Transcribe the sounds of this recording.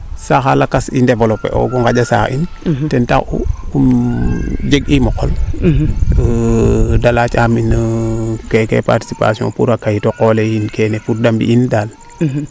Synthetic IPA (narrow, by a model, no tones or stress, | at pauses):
saxalakasḭndevolɔpḛʔo̰ɡuŋɡaɟasa̰ʔḭn | tɛnta̰xṵkum | d͡ʒeɡimɔkɔ̰l | dalat͡ʃaminəkekḛpa̰ɾti̥sipa̰siɔ̰̃puɾakaitokolejinkenefuɾ̚dambḭʔindal